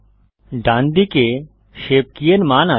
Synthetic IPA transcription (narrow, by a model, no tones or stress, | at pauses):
ɖãːnd̪ike | ʃeːp̚kiənmaːna